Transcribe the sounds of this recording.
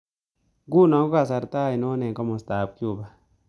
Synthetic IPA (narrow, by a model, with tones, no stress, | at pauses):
ɡu˦nɔ˨ɡo˦ka˨s̬a˨ɾtaː˦˨i˨nɔ˦nɛ˨ŋkɔ˦mɔ˨staː˨p̚kju˦˨ba˨